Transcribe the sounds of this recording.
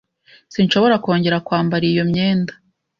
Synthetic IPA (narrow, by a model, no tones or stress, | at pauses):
sinʃo̞βo̞ɾako̞ːɲɟe̞ɾakwaːmbaɾijo̞mɲe̞ːndḁ